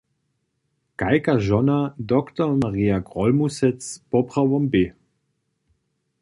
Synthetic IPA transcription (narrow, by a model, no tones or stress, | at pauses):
kajkaʒɔnad̪ɔkt̪ɔrmaʁijaɡʁɔlmusɛt͡spɔpʁavɔmbe